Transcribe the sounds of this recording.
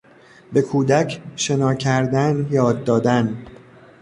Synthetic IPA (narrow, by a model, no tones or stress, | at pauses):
be̞kʰuːd̪æcʰʃe̞nɒːcʰæɾd̪ænjɒːd̪ːɒːd̪æn